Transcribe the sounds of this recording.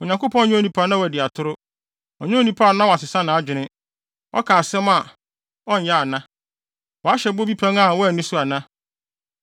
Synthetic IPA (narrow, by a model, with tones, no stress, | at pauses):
ʊ˨ɲã˨ŋkʊ˦pʰɔ̃˦n˦ɲʊ̃˦o˦nĩ˦pʰa˦nã˦wɔ˨dɪ˨a˨tʰʊ˦ɾʊ˦ | ɔ˨ɲʊ̃˦o˦nĩ˦pʰa˦˨nã˦wɔ˨a˨sɪ˨sã˦nã˨a˦d͡ʑᶣɪ˨nɪ̃˦ | ɔ̰˦kʰa˨sɛ̃˦ma˨ | ɔ̃˦n̩˨ja˦a˨nã˦ | wɔ˨a˦ɕɛ˨bo˦bi˦pʰã˦ŋa˦˨wɔ˦ɛ˨nʊ̃˦sʊ˦a˨nã˦